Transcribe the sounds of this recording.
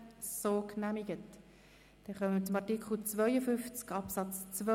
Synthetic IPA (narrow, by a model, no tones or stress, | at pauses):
soːknæmiɡət | d̥ɛχœməmt͡sʊmɑtikχl̩t͡svœʏəfʏnft͡skɑpsɑt͡st͡svœ